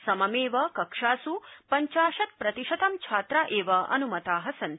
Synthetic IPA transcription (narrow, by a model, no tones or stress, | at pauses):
sɐmɐmeːʋɐkɐkʂaːsupɐɲt͡ʃaːʃɐt̪̚pɾɐt̪iʃɐt̪ɐmt͡ʃʰaːt̪ɾaːʔeːʋɐɐ̰numɐt̪aːɦɐsɐn